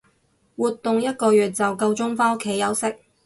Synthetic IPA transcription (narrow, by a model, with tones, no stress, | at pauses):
wuː˨t̪ːʊ˨ŋjɐ˥t̚kɔː˧jyː˨˩t̚t͡sɐ˨wkɐ˧wt͡ʃʊ˥ŋfaː˥ʊ˥kʰːe˨˥jɐ˨˥wsɪ˥k̚